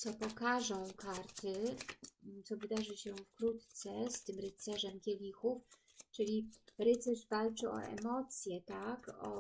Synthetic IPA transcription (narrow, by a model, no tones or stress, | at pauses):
t̪sɔpɔkaʐɔ̃w̃kaɾt̪ɘ | t̪sɔvɘd̪aʐɘɕɛfkɾut̪t̪sɛst̪ɘmɾɘt̪sɛʐɛmkʲɛlʲixuf | t͡ʂɘlʲiɾɘt̪sɛʐvalt͡ʂɘʔɔ̰ʔɛ̰mɔt̪sʲjɛt̪akɔ̰